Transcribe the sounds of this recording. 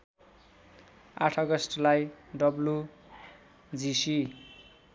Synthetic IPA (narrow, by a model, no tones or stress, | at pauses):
aʈʰʌɡʌsʈlajɖʌblu | d͡zisi